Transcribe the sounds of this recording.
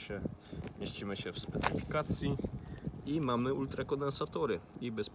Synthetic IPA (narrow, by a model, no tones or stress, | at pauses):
ɛmʲjeɕt͡ɕimɘɕɛfspɛt̪sɘfʲi̥kat̪sʲji | imamɘult̪ɾakɔnd̪ɛnsat̪ɔɾɘibɛsp